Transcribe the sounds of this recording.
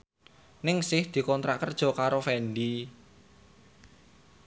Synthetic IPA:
nɪŋsɪhd̪̥i̤kɔnt̪ɾaʔkərd̥ʒ̥ɔ̤kaɾofɛnɖ̪i

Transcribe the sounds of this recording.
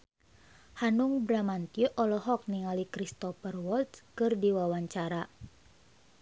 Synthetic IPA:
hanuŋbɾamant̪iuʔɔlɔɦɔk̚niŋalikɾist̪ɔfərwɔlt̪skɨrdiwawaɲt͡ʃaɾa

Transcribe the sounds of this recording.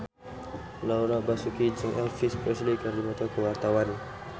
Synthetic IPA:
lawɾabasukid͡ʒiŋʔɛlfispɾɛslikaɾdibat̪ɔkəwart̪awan

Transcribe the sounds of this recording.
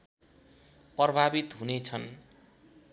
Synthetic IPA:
prʌbʱabit̪ɦunet͡sʰʌn

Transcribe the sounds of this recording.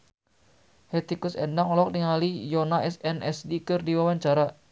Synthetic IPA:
hɛt̪ikusɛ̰ndaŋɔlɔk̚niŋalijɔnaɛsɛnʔɛsdikɨrdiwawaɲt͡ʃaɾa

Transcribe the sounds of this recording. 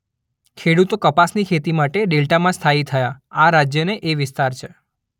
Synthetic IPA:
kʰeɽut̪okəpasnikʰet̪imaʈeɖelʈamãst̪ʰait̪ʰəjaaɾad͡ʒjəneʔeʋɪst̪aɾt͡ʃʰe

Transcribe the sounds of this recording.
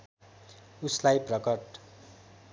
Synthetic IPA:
uslajprʌkʌʈ̚

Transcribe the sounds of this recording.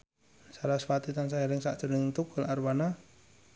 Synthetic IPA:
saɾasfat̪it̪ansaɛɾɛŋsaʔt͡ʃərnɪŋt̪ukɔlarbana

